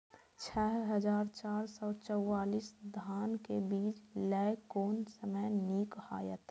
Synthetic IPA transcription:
t͡ʃʰɛɦɦəd͡ʒaːɾt͡ʃaːɾsɔːt͡ʃəwaːliːsd̪ʱaːnkebiːt͡ʃlɛkoːnsəməjniːkhaːjət̪

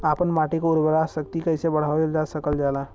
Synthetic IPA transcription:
aːpənmaːʈikoʊɾbəɾaːsək̚t̪ikɐɪsebɐɽ̤aːoeld͡ʒaːsəkəld͡ʒaːlaː

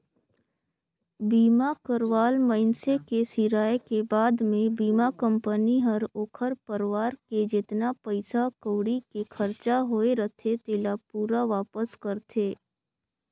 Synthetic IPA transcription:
biːmakəɾʋaːlməɪnsekesiɾaːjekebaːd̪mẽbiːmakə̃mpəniɦəɾoːkʰəɾpəɾʋaːɾked͡ʒɪt̪napəɪsakoːɽikekʰəɾt͡ʃaɦoːeɾət̪ʰet̪eːlapuːɾaʋaːpəskəɾt̪ʰeː

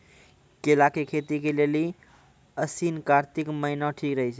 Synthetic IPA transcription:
kelakekʰet̪ikeleli | əsinkaɾt̪ikməɦinɔʈʰikɾəɦɛt͡ʃʰ

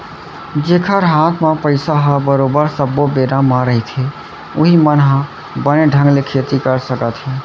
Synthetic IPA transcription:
d͡ʒekʰəɾɦat̪ʰmãpəɪsaɦəbəɾobəɾsəbːobeɾamãɾəɦit̪ʰɦe | uɦimənɦã | bəneɖʱə̃ŋɡlekʰet̪ikəɾsəkət̪ɦe

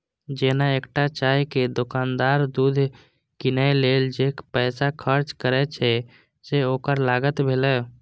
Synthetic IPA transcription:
d͡ʒenaekʈat͡ʃaɦked̪okand̪aɾd̪ud̪ʱ | kinajleld͡ʒekpɛːsakʰəɾt͡ʃkəɾɛt͡ʃʰɛ | seoːkəɾlaɡət̪bʱelɛ

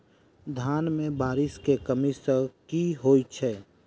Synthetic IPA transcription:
d̪ʱaːnmẽbaːɾɪskekəmisəkiɦoːit͡ʃʰɛː

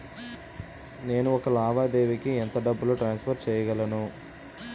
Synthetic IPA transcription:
ne̞ːnuɔkɐlaːʋaːd̪e̞ːʋikiɛnt̪ɐɖɐbːuloʈɾaːnspʰɐɾʈ̚t͡ʃɛːjɐɡɐlɐnu

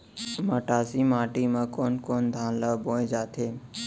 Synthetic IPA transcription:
məʈaːsiːmãːʈiːmãkoːnkoːnd̪ʱãːnləboːẽd͡ʒaːt̪ʰeː

